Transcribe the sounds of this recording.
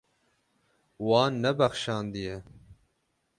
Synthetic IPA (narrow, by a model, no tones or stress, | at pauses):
wɑːnːɛbɛxʃɑːnd̪ijɛ